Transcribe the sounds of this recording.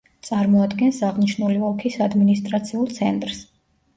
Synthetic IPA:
t̪sʼaɾmɔad̪ɡɛnsaʁniʃnuliɔkʰisad̪minist̪ʼɾat̪sʰiulˠt̪sʰɛ̰nt̪ʼɾs

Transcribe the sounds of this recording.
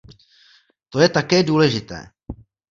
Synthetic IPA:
t̪o̞jɛt̪akɛːduːlɛʒɪt̪ɛ̰ː

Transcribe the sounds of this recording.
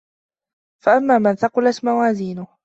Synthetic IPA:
faʔamːaːmanθɑqʊlat̪mawaːziːnʊh

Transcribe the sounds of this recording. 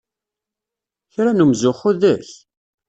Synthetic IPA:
çɾænumzʊχʊðæç

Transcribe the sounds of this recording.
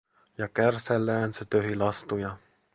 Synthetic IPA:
jɑkærsælːæːnset̪øɦilɑst̪ujɑ

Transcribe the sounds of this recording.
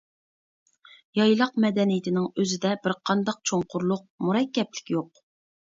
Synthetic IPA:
jɑjlˠɑqmɛd̪ɛnijɪt̪ʰɪnɪŋøzɪd̪ɛbɪɾqʰɑnd̪ɑq̚t͡ʃʰoŋqʰʊɾlˠʊq̚muɾɛkʲːɛplɪ̥kʲjoq

